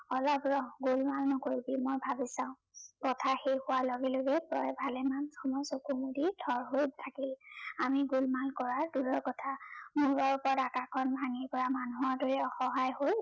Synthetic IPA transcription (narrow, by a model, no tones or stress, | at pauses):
ɔlɔbɹɔɡulmalnɔkoɹibimojbʱabisãʊ̃ | kɔtʰaxejhʊwalɔɡɛloɡɛpɹɔjbʱalɛmansɔmɔsokumudidʰʱɔɹɦojtʰakilamiɡulmalkɔɹaduɹɔkɔtʰamuɹɔɹpɔɹatakakʰɔnbʱaŋiɹpɔɹamanuɦɔɹdoɹɛɔxɔɦajhoj